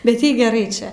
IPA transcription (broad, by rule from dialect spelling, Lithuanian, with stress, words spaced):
bʲɛt ˈjɛɪ ɡʲɛˈrɐɪ ˈt͡ʃʲɛ